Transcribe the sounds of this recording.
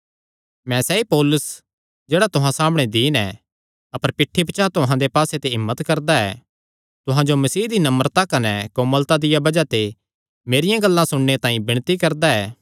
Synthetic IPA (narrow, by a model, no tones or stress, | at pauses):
mɛ̃sɛːipoːlʊs | d͡ʒeːɽat̪ʊɦãsaːmɽ̃ed̪iːnɛ̃ | ɐpəɾpɪʈʰːibɐt͡ʃat̪ʊɦãd̪epaːset̪eɦɪmːət̪kɐɾd̪aɛ̰ | t̪ʊɦãd͡ʒomɐsiːd̪inɐməɾt̪akɐnɛkoməlt̪ad̪ɪjabɐd͡ʒat̪e | meːɾɪjãɡɐlːãsʊɽnet̪ãːĩbɪɽ̃t̪ikɐɾd̪aɛː